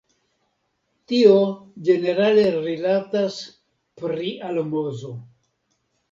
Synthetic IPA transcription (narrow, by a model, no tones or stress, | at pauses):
tiod͡ʒe̞ne̞ɾale̞ɾilatas | pɾiʔalmozo̞